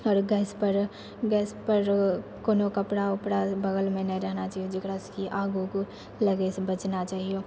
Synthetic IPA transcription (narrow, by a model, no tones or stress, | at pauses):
ɔːɾɡɛːspɐɾ | ɡɛːspɐɾkoːnokɐpɽaʊpɽabɐɡəlmẽnɐĩɾɛɦnat͡ʃaːɦiod͡ʒɪkɽaskiʔaːɡuko | lɐɡesebɐt͡ʃnat͡ʃaːɦioː